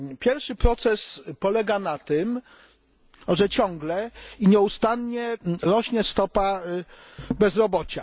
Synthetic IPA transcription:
pʲjɛɾfʂɘpɾɔt̪sɛspɔlɛɡanat̪ɘm | ʐɛt͡ɕɔŋɡlɛiɲɛust̪anɲɛɾɔɕɲɛst̪ɔpa | bɛzɾɔbɔt͡ɕa

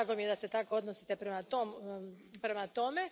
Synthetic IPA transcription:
ɡo̞mijed̪ase̞t̪ako̞od̪nosi̥t̪e̞pɾemat̪om | pɾe̞mat̪o̞me̞

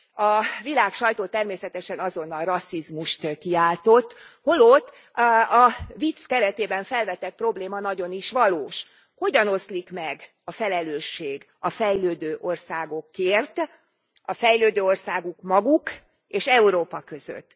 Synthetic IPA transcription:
ɒvilaːkʃɒjt̪oːt̪ɛrmeːsɛt̪ɛʃɛnɒzo̞nːɒlrɒsːizmuʃt̪kiaːlt̪o̞t̪ːho̞lot̪ː | ɒvit̪skɛɾɛt̪eːbɛɱfɛlvɛt̪ɛt̪̚pro̞bleːmɒnɒɟo̞niʃʋɒloːʃ | ho̞ɟɒno̞slikmɛɡ | ɒfɛlɛløːʃːeːɡ | ɒfɛjløːd̪øːʔo̞rsaːɡo̞kːeːrt̪ | ɒfɛjløːd̪øːo̞rsaːɡukmɒɡuk | eːʃɛuɾoːpɒkø̞z̥ø̰t̪ː

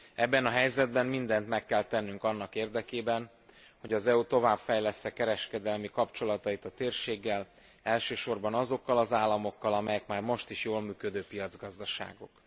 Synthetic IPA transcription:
ɛbːɛnɒɦɛjzɛd̪̚bɛmmind̪ɛnt̪mɛkːɛlt̪ɛnːyŋkɒnːɒkeːrd̪ɛkeːbɛn | ho̞ɟɒzɛut̪o̞vaːbfɛjlɛst̪ɛkɛɾɛʃkɛd̪ɛlmikɒpt͡ʃo̞lɒt̪ɒit̪ɒt̪eːrʃeːɡːɛl | ɛlʃøːʃo̞rbɒnɒzo̞kːɒlɒzaːlːɒmo̞kːɒlɒmɛjɛkmaːrmo̞ʃt̪iʃjoːlmyːkød̪øːpijɒd̪zɡɒzd̪ɒʃa̰ːɡo̞̰k

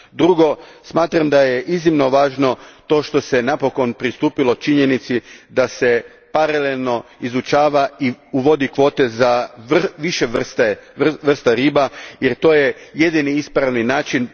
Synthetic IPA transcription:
d̪ɾuɡo̞smaːt̪ɾamd̪ajeʔiznimno̞ʋaːʒno̞t̪o̞ːʃt̪o̞se̞napo̞ko̞npɾist̪uːpilo̞t͡ʃiɲe̞nit̪sid̪ase̞ | paɾalelˠno̞izut͡ʃaːʋaiuʋo̞d̪ikʋo̞ːt̪e̞zaʋiʃeʋrst̪eʋr̩st̪aɾiːbajeɾt̪o̞ːjeje̞d̪iniispɾaʋninaːt͡ʃin

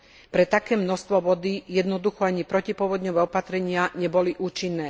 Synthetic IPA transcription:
pɾɛt̪akɛːmnɔst̪ʋɔʋɔd̪ijɛd̪nɔd̪uxɔaɲipɾɔcipʊɔʋɔd̪ɲɔʋɛːɔpat̪ɾɛɲɪaɲɛbɔliʔuːt͡ʃinːɛː

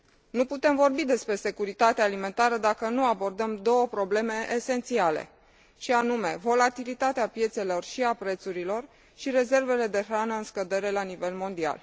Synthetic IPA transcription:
nuput̪e̞mvo̞rbid̪e̞spɾe̞se̞kuɾit̪at̪eaːlime̞nt̪aɾəd̪akənuabo̞rd̪əmd̪o̞wəpɾo̞ble̞me̞ʔeːse̞nt̪siale̞̰ | ʃianume̞vo̞lat̪ilit̪at̪eapje̞t̪se̞lo̞rʃiapɾe̞t̪suɾilo̞r | ʃiɾe̞ze̞rve̞le̞d̪e̞ɾanəɨnskəd̪e̞ɾe̞lanive̞lmo̞nd̪ia̰l

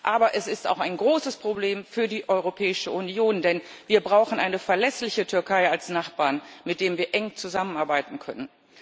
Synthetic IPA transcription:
ʔaːbɐʔɛsɪsta̰ʊxaɪnɡʁoːsəspʁ̥obleːmfyːɐdiːʔɔʏʁopʰɛːɪʃəʔunjoːndɛnviːɐbʁaʊxn̩ʔaɪnəfɛɐlɛslɪçətʰʏɐkʰaɪalsnaχb̥aːɐnmɪt̚d̥eːmviːɐʔɛŋt͡suzamənʔaɐbaɪtn̩kʰœ̰nən

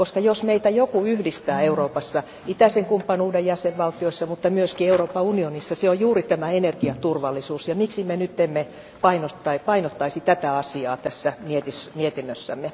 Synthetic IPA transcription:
koskɑjosmeit̪æjokuyhdist̪æːeuroːpɑsːɑ | it̪æseŋkumpːɑnuːdejjæseʋʋɑlt̪ioisːɑmut̪ːɑmyøskieuroːpːɑunionisːɑseojjuːrit̪æmæenerɡ̥iɑt̪urʋɑlːisuːsjɑmiksimenyt̪ːemːe | pɑinot̪ːɑipɑinot̪ːɑisit̪æt̪æɑsiɑːt̪æsːæmiet̪ismiet̪inːøsːæ̰mːe

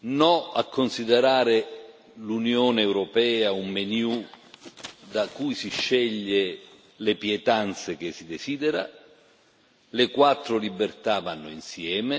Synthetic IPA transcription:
nɔakʰːonsid̪eɾaːɾe | lunjoːnɛwɾopɛːaumːenju | d̪akujsiʃːɛʎːe | lɪpjɛt̪ant̪sek̟ɪsid̪esiːd̪ɛɾa̰ | lɪkwat̪ːɾʊlibːert̪avanːʊinsjɛːme

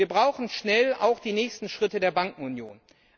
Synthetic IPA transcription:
ɐbʁaʊxn̩ʃnɛla̰ʊxd̥iːnɛːçstn̩ʃʁ̥ɪtədeːɐbaŋkŋ̩ʊnjo̰ːn

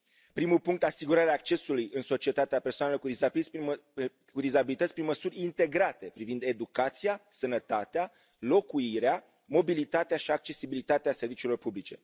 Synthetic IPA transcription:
pɾimupuŋkt̪asiɡuɾaɾeaːk̚t͡ʃe̞sulujɨnso̞t͡ʃie̞t̪at̪eape̞rsoanelokud̪izat̪sʲ | kud̪izabilit̪ət̪sʲpɾinməsurʲint̪e̞ɡɾat̪e̞pɾivind̪e̞d̪ukat̪sijasənət̪at̪ea | lo̞kuiɾea | mo̞bilit̪at̪eaʃiak̚t͡ʃe̞sibilit̪at̪ease̞rvit͡ʃilo̞rpublit͡ʃe̞

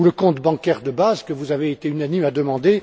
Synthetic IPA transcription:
uləkɔ̃t̪bɑ̃kʲɛʁd̪əbazkəvuzaveːt̪eynanimad̪əmɑ̃d̪e

